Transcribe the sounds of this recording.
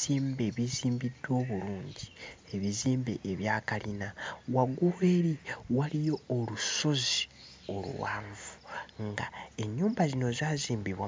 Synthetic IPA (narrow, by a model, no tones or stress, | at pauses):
iːmbe̞βiziːmbidwo̞ːβuɾuːɲɟi̥eβiziːmbeʔːβjaːkalinawaɡuwe̞ːɾiwalijo̞ːluso̞zi | o̞lṵwa̰ːɱvuŋɡa̰e̞ɲːuːmbazino̞zaːziːmbiβwa